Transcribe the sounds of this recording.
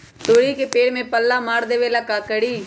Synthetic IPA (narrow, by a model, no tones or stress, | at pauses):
t̪oːɽikepeːɽmẽpəlːamaːɾd̪eːʋelakaːkəɽiː